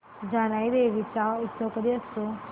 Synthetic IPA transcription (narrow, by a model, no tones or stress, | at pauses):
d͡zaɽ̃ajd̪eʋit͡sait̪sokəd̪iːəst̪o